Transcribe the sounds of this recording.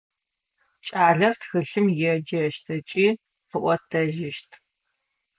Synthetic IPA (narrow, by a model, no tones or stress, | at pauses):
t͡ʃʼaːɮɐrtxɨɬɨmjɛd͡ʒɐʃtʰɐt͡ʃʼiː | qəʔʷɔtʰɐʒɪʃtʰ